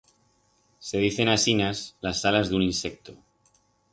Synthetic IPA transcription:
se̞ð̞iθe̞nasinaslasːalazðuninse̞k̚t̪o

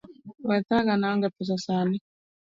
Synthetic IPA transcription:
wat̪akanaŋɡɛpɛs̬asani

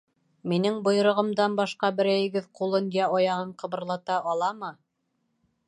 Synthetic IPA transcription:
minɘŋbŏj̆ɾŏʁɤ̆md̪ɑnbɑʃqɑbɘ̆ɾæjɘ̆ɡɘðqulˠɤnjæɑjɑʁɤɴqɤ̆βɤ̆ɾlˠɑt̪ɑʔɑlˠɑmɤ

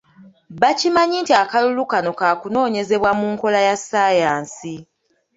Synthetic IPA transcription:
βacimaɲintiakalulukano̞kaːkuno̞ːɲe̞ze̞βwamuŋko̞lajasajaːnsi

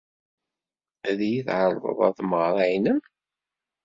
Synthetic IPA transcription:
æðjiθʕəlˤðˤə̰ðˤɑ̰ðməʁɾˤajnəm

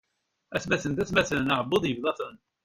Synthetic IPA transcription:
æθmæθənt̪æθmæθəlnəʕəbːoðˤjəvðˤɑθən

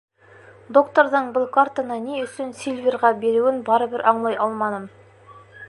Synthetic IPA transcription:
d̪o̞kt̪oɾd̪əɴbʊlˠkʰart̪anɑnejʏsɪnsilʲvʲeɾʁɑbe̞ɾuwɪnbɑɾəbɪɾʔɑɴlˠɑjɑlˠmɑnəm

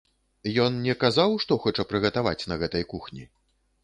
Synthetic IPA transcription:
jɔnnʲɛkazawʂt̪ɔxɔt͡ʂɐpɾɨɣɐt̪ava̰t͡sʲnɐɣɛt̪ɐjkuxnʲḭ

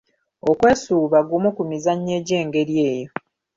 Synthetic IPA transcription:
okwe̞ːsuːβaɡumukumizaɲːe̞ːɟe̞ːŋɡe̞ɾje̞ːjo

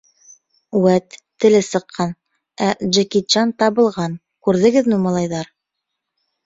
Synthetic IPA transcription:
wæt̪ː | ɘ̆lɘsɤ̆qʰːɑn | æʒɘkit͡ʃɑnt̪ɑβɤ̆lˠʁɑn | kʉɾðɘ̆ɡɘðnumɑlˠɑjðɑɾ

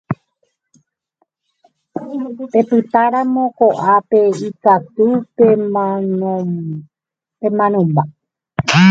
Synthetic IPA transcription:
pe̞pɨt̪aɾãmõ̞ko̞ʔape̞ikat̪ue | pemãnõmba

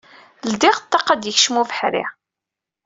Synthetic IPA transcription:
ld̪ɪʁt̪ːɑqːæd̪jəçʃmuvəħɾɪ̰

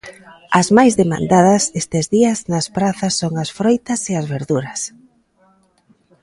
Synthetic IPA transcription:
ɐzmajzðemã̰nd̪aðɐsest̪ezðiɐznɐspɾaθɐsːoŋɐsfɾojt̪ɐseɐzβeɾðuɾɐs

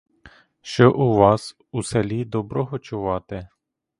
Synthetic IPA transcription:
ʃt͡ʃɔʔuʋɑs | uselʲid̪ɔbɾɔɦɔt͡ʃʊʋɑt̪ɪ

